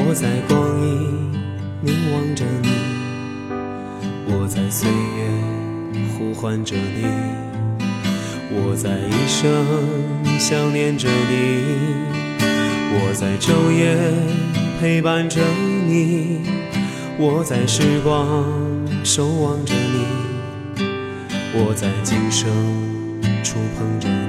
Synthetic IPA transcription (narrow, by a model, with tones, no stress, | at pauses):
wɔ˨˩t͡sa˧˩ɪkwɑ˥ŋni˧˩ | ni˧˥ŋwɑ˧˥ŋʈ͡ʂə˧˩ni˨˩ | wɔ˨˩t͡sa˥˩ɪswe˥˧˩ɪɛ˧ | xu˥xwa˧˥nʈ͡ʂɤ˧˩ni˨˩ | wɔ˨˩t͡sa˥˧˩ɪi˧˩ʂɤ˥ŋɕjɑ˥ʊnjɛ˧˥nʈ͡ʂə˧˩ni˨˩ | wɔ˨˩t͡sa˥˩ɪʈ͡ʂo˥ʊjɛ˥ | pʰe˥ɪpa˥nʈ͡ʂə˧ni˨˩ | wɔ˨˩t͡sa˥˩ɪʂɻ̩˥˧kwɑ˥˧ | ʂo˧˥ʊwɑ˧˥ŋʈ͡ʂə˧˩ni˨˩ | wɔ˨˩t͡sa˥˩ɪt͡ɕi˥ŋʂɤ˥ŋ | ʈ͡ʂʰʊ˥ŋpʰɤ˧˥ŋʈ͡ʂə˧˩